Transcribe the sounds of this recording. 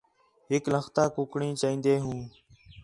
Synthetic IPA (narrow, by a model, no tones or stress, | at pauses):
ɦɪklə̃xt̪aːkʊkɳĩːt͡ʃːĩːnd̪eːɦũː